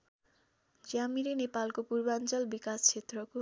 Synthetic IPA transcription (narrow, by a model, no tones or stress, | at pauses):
d͡zjamiɾenepalkopurbant͡sʌlbikast͡sʰet̪rʌko